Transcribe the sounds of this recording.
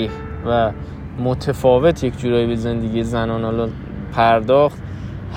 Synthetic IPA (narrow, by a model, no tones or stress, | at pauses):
iːh | væ | mot̪ʰefɒːvet̪ʰjecʰd͡ʒuːɾɒːjibeze̞nd̪eɡijezænɒːnɒːlɔ | pʰæɾd̪ɒːxt̪ | h